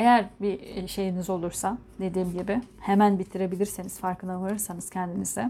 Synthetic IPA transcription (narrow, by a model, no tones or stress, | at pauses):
e̞jæɾbiʃe̞jinizo̞lˠuɾsad̪e̞d̪iːmɟibɪhemænbit̪ʰːiɾe̞bilʲiɾsenizfaɾkʰɯnavaɾɯɾsanɯz̥cʰɛnd̪inizd̪ɛ